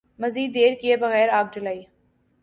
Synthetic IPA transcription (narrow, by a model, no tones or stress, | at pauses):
mɐziːd̪ːeːɾkiebɐɣɛːɾaːɡ̚d͡ʒəlaːiː